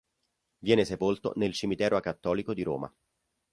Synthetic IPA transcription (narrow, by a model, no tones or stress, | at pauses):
vjɛːnesepolt̪o̰nelt͡ʃimit̪ɛːɾʔoakːat̪ːɔːlikod̪iɾo̰ːma̰